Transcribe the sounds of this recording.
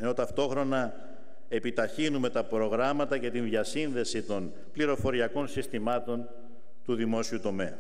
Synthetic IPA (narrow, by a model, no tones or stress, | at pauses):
eno̞t̪ɐft̪o̞xɾo̞nɐ | e̞pit̪ɐçinume̞t̪ɐpɾo̞ɣɾɐmɐt̪ɐce̞t̪inðʝɐsinðe̞sit̪o̞n | pliɾo̞fo̞ɾiɐko̞nsist̪imɐt̪o̞n | t̪uðimo̞siut̪o̞me̞ɐ̰